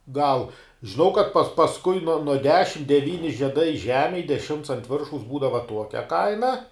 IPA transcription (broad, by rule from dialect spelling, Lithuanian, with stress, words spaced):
ˈɡɐlˠ ʒʲɪˈnɐʊ kɐt pɐs pɐsˈkʊɪ nuɔ nuɔ ˈdʲæːʃʲɪm dʲɛˈʋʲiːnʲɪ ʒʲiɛˈdɐɪ ˈʒʲæːmʲeːj dʲɛˈʃʲɪmts ɐnt ˈʋʲɪrʃɐʊs ˈbuːdɐʋɐ ˈtuɔkʲɛ ˈkɐɪnɐ